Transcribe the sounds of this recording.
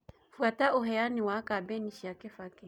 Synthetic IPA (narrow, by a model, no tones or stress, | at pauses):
fuataɔɦɛjaniwakabɛniʃiakɛfakɛ